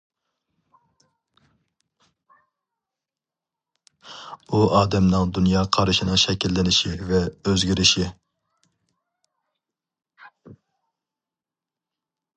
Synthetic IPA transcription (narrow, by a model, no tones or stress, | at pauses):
uɑːd̪ɛmnɨŋd̪unjɑːqʰɑɾɨʃɪnɨŋʃɛkʲilːɪnɪʃivɛøzɡʲiɾɪʃi